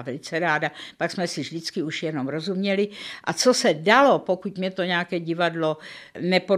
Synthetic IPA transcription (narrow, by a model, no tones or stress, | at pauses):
vɛlɪt͡sɛɾaːdapaksmɛsɪvʒdɪt͡skɪuʃjɛno̞mɾo̞zumɲɛlɪʔat͡sosɛdalo̞pokut̪mɲɛt̪oɲɛakɛːɟɪvadlonɛpo